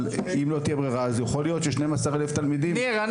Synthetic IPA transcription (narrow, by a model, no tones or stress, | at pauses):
limlo̞t̪ijebʁeʁaːzjaχolijo̞t̪ʃeʃnemasaʁeleft̪almid̪imʁan